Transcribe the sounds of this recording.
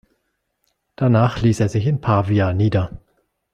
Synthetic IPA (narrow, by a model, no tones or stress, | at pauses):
d̥anaːχliːseːɐzɪçɪnpʰaːviaːniːdɐ